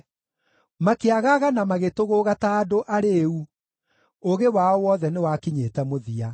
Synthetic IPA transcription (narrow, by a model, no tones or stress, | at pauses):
makeaɣaɣanamaɣetoɣoɣataːdoʔaɾeu | oɣewaɔwɔðɛnewakiɲetɛmoðia